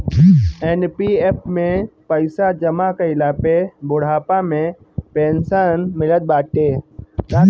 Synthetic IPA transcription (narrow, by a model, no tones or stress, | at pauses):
enpieːp̚ʰmẽpəɪsad͡ʒɐmakeɪlaːpebʊɽ̤aːpamẽ | pẽːnsənmɪlət̪̚baːʈeːɾaː